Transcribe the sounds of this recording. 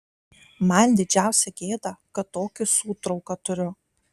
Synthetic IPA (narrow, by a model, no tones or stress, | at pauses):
mɐnʲd̪ʲɪd͡ʒʲæˑʊsʲɛɡʲeːd̪ɐkɐt̪ːoːkʲɪsuːt̪ɾɒʊkɐt̪ʊɾʲʊ